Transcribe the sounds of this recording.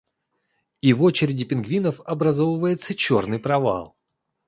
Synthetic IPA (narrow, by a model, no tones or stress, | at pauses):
ivo̞t͡ɕɪɾʲɪdʲɪpʲɪnɡvʲinəfɐbɾɐzovəvəjɪt̪sət͡ɕo̞rnɨjpɾɐva̰lˠ